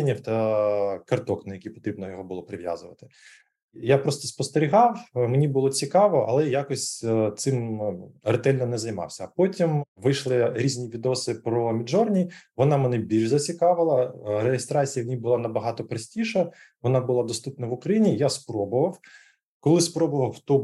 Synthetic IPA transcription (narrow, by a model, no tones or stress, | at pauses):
nʲiwt̪ɐkɐrt̪ɔknɐjɐkʲipɔ̥t̪ɾʲibnɔjɔɦɔbʊlˠɔpɾɪʋʲja̰zʊʋɐ̰t̪ɪ̥ | japɾɔst̪ɔspɔst̪eɾʲɪɦɑwmenʲibʊlˠɔt͡sʲikɑʋɔʔɐ̰lˠɛjakɔsʲt̪sɪmret̪ɛlʲnɔnɛzɐjmɑ̰wsʲɐɐpɔtʲimʋɪjʃlˠɪɾʲizʲnʲiʋʲid̪ɔsɪpɾɔmʲiʒɔrnʲijʋɔnɑmenɛbʲilʲʒzɐt͡sʲikɑʋɪlˠɐɾejest̪ɾɑt͡sʲijɐmʲnʲibʊlˠɑnɐbɐɦɑt̪ɔpɾɐsʲtʲiʃɐ | ʋɔnɑbʊlˠɑd̪ɔst̪upnɐʋʊkɾɐjinʲijaspɾɔbʊʋɐw | kɔlˠɪspɾɔbʊʋɐwt̪ɔ